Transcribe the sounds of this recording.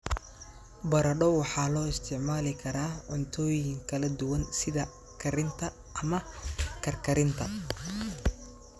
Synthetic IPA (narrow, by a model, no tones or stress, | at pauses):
bɐɾɐɖɔwɑħɑːlɔːɪst̪ʰɪʕmaːlɪkʰɐɾaːɔnt̪ʰɔːjɪŋkʰɐlɐd̪ʊwɐnsɪðɐ | kʰɐɾɪnt̪ʰɐ | ʔɐmɐkʰɐrkʰɐɾɪnt̪ʰɐ